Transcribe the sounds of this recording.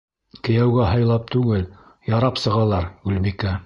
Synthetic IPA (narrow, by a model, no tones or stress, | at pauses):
kɘ̆jæwɡæɦɤ̆jlˠɑp̚t̪ʉɡɘl | jɑɾɑpsɤ̆ʁɑlˠɑɾɡʉlbikæ